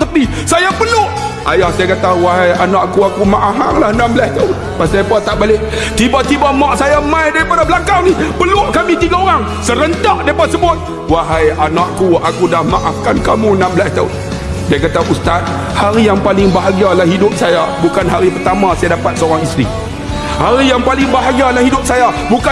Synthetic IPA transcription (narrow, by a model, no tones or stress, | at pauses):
t̪əpi | sajapəlʊʔ | a̰jahsajakat̪awaɦajanaʔakuakumaʔafaŋlahnambəlast̪aʊn | pasajapat̪aʔbaleʔ | t̪ibat̪ibamɔʔsajamãjdaɾipadabəlakawnihpəlʊʔkamit̪iɡaoɾaŋ | səɾənt̪aʔdaɾipadasəbʊt̪̚ | waɦajanaʔkuakudahmaʔafkankamunambəlast̪aʊ̰n | diakat̪aʔust̪at̪̚ | haɾijaŋpalɪŋbaɦaɡalahidʊp̚sajabukanɦaɾipərt̪amasajadapat̪̚səoɾaŋist̪ɾḭ | haɾijaŋpalɪŋbaɦaɡalahidʊp̚sajabuka